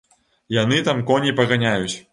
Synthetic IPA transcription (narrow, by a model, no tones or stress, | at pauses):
janɨt̪amkɔnʲipɐɣanʲajut͡sʲ